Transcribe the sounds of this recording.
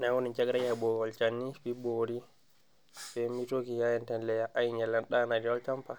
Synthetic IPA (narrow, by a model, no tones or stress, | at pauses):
nawonit͡ʃɛɡɾajabɔɡɔlt͡ʃanːifiboɾi | sɛmitokijajɛntɛnlɛjaʔajɲɛlːɛnɗanad͡ʒiwɔlt͡ʃampa